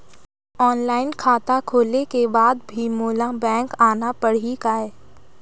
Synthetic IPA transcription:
ɔːnlaːɪnkʰaːt̪akʰoːlekebaːd̪bʱimoːlãbɛ̃ːŋkaːnapɐɽ̤ikaɦɛː

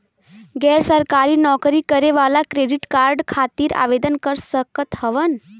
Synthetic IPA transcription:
ɡɛɾsəɾkaɾiːnɔkɾikəɾeʋalakɾeɖiʈkaɾɖkʰat̪iːɾa̰ʋed̪ənkəɾsəkət̪həʋən

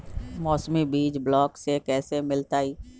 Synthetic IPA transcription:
mɔːsmibiːd͡ʒblɔːksekɛːsemɪlt̪aːiː

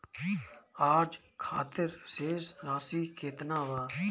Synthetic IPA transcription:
aːd͡ʒ | kʰaːt̪ɪɾseːzɾaːsiːkʰeːt̪naːʋaː

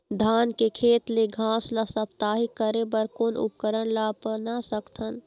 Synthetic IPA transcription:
d̪ʱaːnkekʰeːt̪leɡʱãːslasəpt̪aːɦiəɾebəɾkoːnʊ̰pkəɾəɽ̃laːpənasəkt̪ʰən

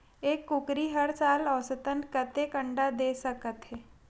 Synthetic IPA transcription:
eːkːʊkɾiɦəɾsaːlɔːsət̪ənkət̪ekə̃ɳɖad̪eːsəkət̪ɦɛː

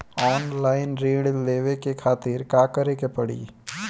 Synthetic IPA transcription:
ɔːnlaːɪnɾiːɽleːʋekekʰaːt̪ɪɾkaːkəɾekepɐɽḭː

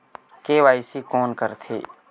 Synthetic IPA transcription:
keːʋaːɪsikɔːnkəɾt̪ʰḛː

